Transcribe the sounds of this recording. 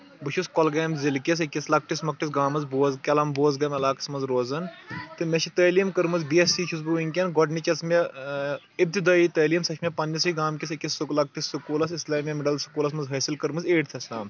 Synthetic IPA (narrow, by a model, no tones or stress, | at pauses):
buʃʰuskɔlɡɐːmzilkʲis̬ikʲislɐk̚ʈismɐk̚ʈisɡaːmɐzboːzkʲɐlɐmboːzɡɐmɐlaːkɐ̥smɐnzɾoːzɐnt̪ɨmet͡ʃʰit̪ɐːliːmkɐɾmɐzbiesiːt͡ʃʰus̬buiŋʲkʲɐnɡɔɖnit͡ʃɐsme | ib̚t̪id̪aːit̪ɐːliːmsɐʃʰmʲepɐnːɐsiɡaːmkʲis̬ɐkʲisːuklɐk̚ʈisːukuːlɐs̬islaːmʲɐmɪɖɐlsu̥kuːlɐs̬mɐnzɦɐːsilkɐɾmɨzeːʈt̪ʰɐslaːm